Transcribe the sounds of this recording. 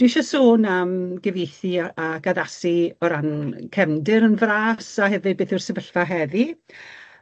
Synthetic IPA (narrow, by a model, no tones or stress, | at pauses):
d̥wɪʃasoːnəmɡɛvejθɨaɡaðasiɔɾankʰɛmdɪɾənvraːsaɦɛvɨbeːθɨrsəvəɬvaɦɛvi